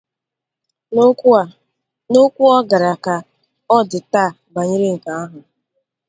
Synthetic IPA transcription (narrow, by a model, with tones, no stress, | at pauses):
no˦kʷu˦ɔ˦ɡa˨ɾa˨ka˨ | ɔ˦dɪ˨taː˦˨ba˨ɲɪ˦ɾe˦ŋ̩˨ka˨a˦ɦʊ˨